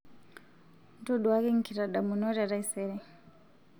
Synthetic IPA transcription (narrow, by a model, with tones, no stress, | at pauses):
n˦tɔ˦ɗu˨wa˦kɛ˦ŋ̩˨kʰi˨ɾa˨ɗa˨mu˨nɔ˦ɾa˨ɾa˦i˦sɛɾɛ˨